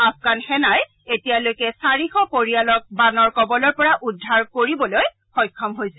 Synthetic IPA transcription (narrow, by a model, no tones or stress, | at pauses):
afɡanxɛnaj | etijalojkɛsaɹixɔpoɹijalɔk̚banɔɹkɔbɔlɔɹpɔɹaʔudʱːaɹkoɹibɔloj | xɔjkʰːɔmɦojsɛ